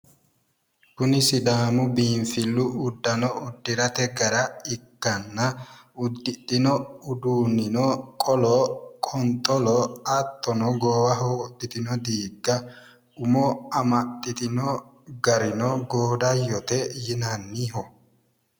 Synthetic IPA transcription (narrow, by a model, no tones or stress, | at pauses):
kʊnɪsɪd̪aːmʊbiːnfɪlːʊʊd̪ːɐnɔʊd̪ːɪɾɐt̪ɛɡɐɾɐɪkːɐnːɐʊd̪ːɪt̪ʼːɪnɔʊd̪uːnɪnɔkʼɔlɔkʼɔnt̪ʼɔlɔɐt̪ːɔnɔɡoːwɐɦoːt̪ʼːɪt̪ɪnɔd̪iːɡːɐ | ʊmɔɐmɐt̪ʼːɪt̪ɪnɔ | ɡɐɾɪnɔɡoːd̪ɐjɔt̪ɛjɪnɐnːiɦɔ